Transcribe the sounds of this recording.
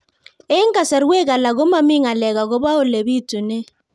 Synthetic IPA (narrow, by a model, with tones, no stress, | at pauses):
e˦ŋ˦ka˨sɛ˨ɾwe˦ka˨la˨ɣo˦ma˦mɪ˦ŋa˨lɛ˨ɣa˨ɣo˦ba˦o˦˨le˨bi˦tu˨ne˦